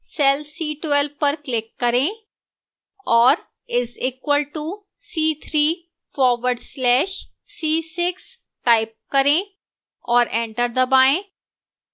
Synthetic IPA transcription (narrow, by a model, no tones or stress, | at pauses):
sɛlsiːʈʋɛlʋpɐɾklɪkːɐɾẽ | ɔːɾ | ɪziːkwəlʈu | siːt̪ʰɾiː | fɔːɾʋəɾɖslɛːʃ | siːsɪks | ʈaɪp̚kɐɾẽ | ɔːɾɛ̃ːɳʈəɾd̪əbaːẽː